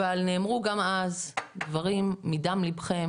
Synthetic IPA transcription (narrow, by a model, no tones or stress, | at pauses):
alneːmʁuɡamazd̪vaʁimːid̪amlibχem